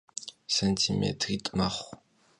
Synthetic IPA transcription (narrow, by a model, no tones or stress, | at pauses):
sɐntʰimḛtʰritʼmɐχʷ